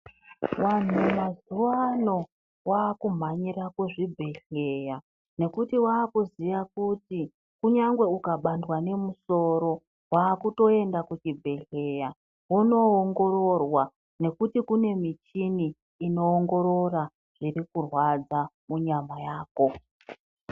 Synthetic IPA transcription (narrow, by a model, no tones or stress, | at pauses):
wan̤umazuwano̞ | waːkum̤aɲiɾakuʐibʱe̞ɬe̞ja | ne̞kutiwaːkuziʋakuti | kuɲaŋɡwe̞ukaɓandwane̞muso̞ɾo̞ | waːkuto̞e̞ndakut͡ʃibʱe̞ɬe̞ja | wuno̞ːŋɡo̞ɾo̞rwa | ne̞kutikune̞mit͡ʃiniː | no̞ːŋɡo̞ɾo̞ra | ʐ̥irikurwad͡zamuɲamajaːko̞